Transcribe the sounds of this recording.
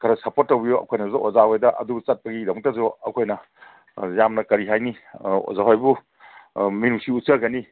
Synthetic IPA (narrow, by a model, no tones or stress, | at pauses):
kʰaɾasɐpotːɐwbijoɐ̰kʰojnɐzudɐʔozawojdɐʔɐ̰dubut͡ʃɐt̚pɐɡidɐmɐk̚tɐzoɐkʰojnɐ | jamnɐkɐɾiɦajnio̰zaɦajbu | minusiut̚sɐɡɐni